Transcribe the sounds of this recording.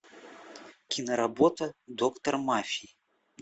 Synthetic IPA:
kʲinɐɾabɔt̪ɐd̪ɔkt̪ɐrmafʲiji

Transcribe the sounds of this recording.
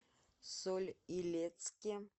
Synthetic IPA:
solʲilʲet̪skʲɪ

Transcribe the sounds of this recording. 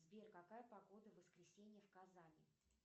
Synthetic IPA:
zbʲerkɐkajəpɐɡo̞d̪əvəskɾʲɪsʲenʲɪjəfkɐzalʲɪ̰

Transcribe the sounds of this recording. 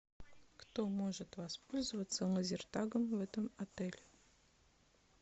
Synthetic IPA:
kt̪omoʐɨt̪vaspolʲzəvət̪sələzʲɪrt̪aɡəmvɛt̪əmɐt̪ɛlʲ

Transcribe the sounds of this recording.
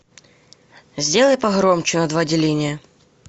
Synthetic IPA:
zʲdʲe̞lˠəjpɐɣɾomt͡ɕɪnɐd̪vadʲɪlʲinʲɪjə

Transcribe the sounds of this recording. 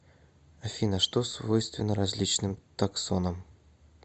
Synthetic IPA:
ɐfʲinəʂt̪osvojst̪vʲɪnːəɾɐzʲlʲit͡ɕnɨmt̪ɐkso̞nəm

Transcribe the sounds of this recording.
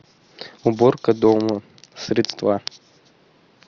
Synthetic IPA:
ʊborkɐd̪omɐ | sɾʲɪt̪st̪va

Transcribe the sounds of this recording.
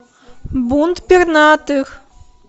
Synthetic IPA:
bunt̪pʲirnat̪ɨx

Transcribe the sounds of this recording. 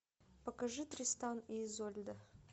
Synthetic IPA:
pɐkɐʐɨt̪ɾʲɪst̪anizolʲd̪ə

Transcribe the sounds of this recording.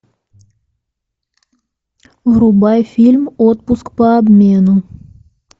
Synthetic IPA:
vrʊbajfʲilʲmot̪̚pʊskpəɐbmʲenʊ

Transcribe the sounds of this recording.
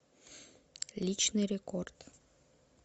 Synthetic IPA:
lʲit͡ɕnɨɾʲekort̪

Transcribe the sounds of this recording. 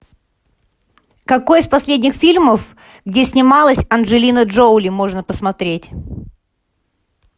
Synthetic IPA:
kɐko̞jɪspɐsʲlʲedʲnʲɪxfʲilʲməf | ɡdʲesʲnʲɪmalˠəsʲɐnʐɨlʲinəʐolʲɪmo̞ʐnəpəsmɐt̪ɾʲetʲ

